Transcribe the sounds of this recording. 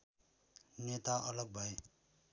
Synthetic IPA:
net̪aʌlʌɡ̚bʱʌe

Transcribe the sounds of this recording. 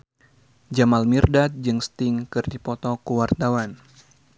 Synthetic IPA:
d͡ʒamalmirdat̪̚d͡ʒɨŋst̪iŋkɨrdipɔt̪ɔkuwart̪awan

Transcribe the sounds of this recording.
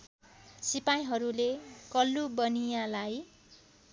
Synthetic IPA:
sipaj̃ɦʌɾulekʌlːubʌnijalaj

